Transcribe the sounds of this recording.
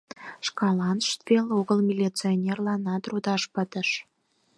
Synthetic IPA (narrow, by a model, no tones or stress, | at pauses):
ʃkɑlɑnʃt̪veloɣəlmʲilʲit͡sionʲerlɑnɑt̪rud̪ɑʃpət̪əʃ